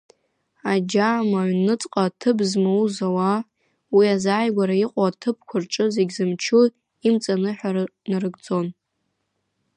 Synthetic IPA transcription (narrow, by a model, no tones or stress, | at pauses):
ad͡ʒaːmaʕɥnɨt͡sʼqʼatʰɨbzmauzawa | wiazaːjɡʷaɾaiqʷʼaatʰɨp̚ʰkʷʰʊrʈ͡ʂʼɨzeɡʲzɨmt͡ʃʰu | imt͡sʼanɨħʷᶣanarɨɡd͡zo̞n